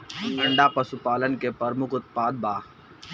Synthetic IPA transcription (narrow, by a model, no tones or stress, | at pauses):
əɳɖaːpɐsupaːlənkepəɾmʊkʊt̪̚paːd̪̚baː